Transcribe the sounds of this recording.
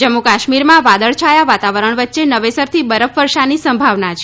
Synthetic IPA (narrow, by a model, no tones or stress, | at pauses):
d͡ʒəmːukaʃmiɾmãʋad̪əɭt͡ʃʰajaʋat̪aʋəɾəɳ̃ʋətːʃenəʋesəɾt̪ʰibəɾəfʋəɾʃanisə̃mbʱaʋnat͡ʃʰ